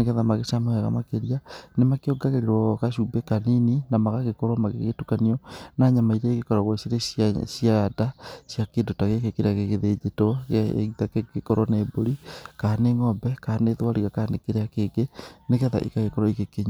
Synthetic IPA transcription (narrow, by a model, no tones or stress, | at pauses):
neɣɛðamaɣesamahɛɣa̰makeɾianemakeɔɡaɣeɾeɾwɔɣaʃubekanininamaɣaɣekɔɾɔmaɣḛɣetukaniɔnaːɲamaiɾeɣekɔɾɔɣwɔseɾesjaadasjakeːndotaɣekekeɾeaɣeɣeðed͡ʒetɔɣḛɣitakeɡekɔɾɔneboɾikaːneŋɔbɛkaːneðwaɾiɣakanekeɾeakeːɡeneɣɛða̰ʔḭkaɣekɔɾɔiɣekeɲa